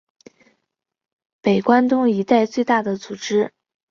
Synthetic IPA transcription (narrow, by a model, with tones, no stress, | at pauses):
pe˨˩ɪkwa˥nt̪ʊ˥ŋi˧˥t̪a˥˧ɪt͡swe˥˧ɪt̪a˥˩d̪ə˩t͡su˨˩ʈ͡ʂɻ̩˥